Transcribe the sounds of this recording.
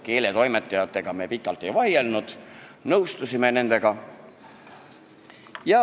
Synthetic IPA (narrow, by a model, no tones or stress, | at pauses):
ke̞ːle̞t̪o̞jme̞t̪ˑːɑjɑt̪ːˑe̞ɡ̥ɑme̞ːpikːˑɑlt̪ːˑe̞jvɑjelnud̪̥nɤwst̪usime̞ne̞nd̪̥e̞ɡ̥ɑ | jɑ